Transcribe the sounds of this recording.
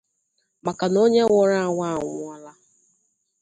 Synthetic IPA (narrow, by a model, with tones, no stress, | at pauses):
ma˨ka˨no˦ɲe˦wɔ˦ɾa˦a˨ŋʷa˦a˨ŋʷʊ˦a˦la˦